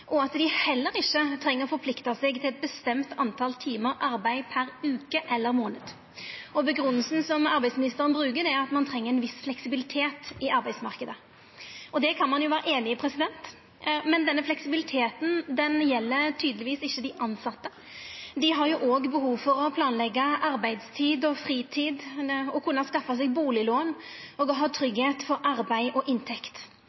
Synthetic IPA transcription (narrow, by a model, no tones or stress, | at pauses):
ʔɔɑt̪d̪ɪhɛlːəɾɪçːət̪ʰɾɛŋːəfɔɾpʰlɪkt̪ɑsɛɡt̪ʰɪlɛt̪̚bəst̪ɛmt̪ʰɑnt̪ʰɑlt̪ʰiːməɾɑɾbæɪpʰæɾʉːkəʔɛlːəɾmoːnəd̪ | ɔbəɡɾʉnːəlsn̩sɔmɑɾbæɪdsmɪnɪst̪əʁənbɾʉːkəd̪ɛɑt̪mɑnt̪ʰɾɛŋːəɾɛnʋɪsflɛksɪbɪlɪt̪ʰeːt̪ɪɑɾbæɪd̪smɑʁkəd̪ə | ɔd̪ɛkʰɑnmɑnjʊʋæːɾəʔeːnɪɪpʰɾɛsɪd̪ɛnt̪ | mɛnd̪ɛnːəflɛksɪbɪlɪt̪ʰeːt̪n̩d̪ɛnjɛlːəɾt̪ʰyːd̪əlɪʋiːsɪçːəd̪æɪʔɑnsɑt̪ːə | d̪ɪɦɑɾjʊʔoːɡbəɦuːʋfɔɾɔpʰlɑːnlɛɡːɑʔɑɾbæɪd̪st̪ʰiːd̪ɔfɾiːt̪ʰiːd̪ɔkʰʉnːɑskɑfːɑsɛɡ̚buːlɪloːnɔːɡɔɦɑːt̪ʰɾʏɡheːt̪fɔɾʔɑɾbæɪʔɔʔɪnt̪ʰɛkt̪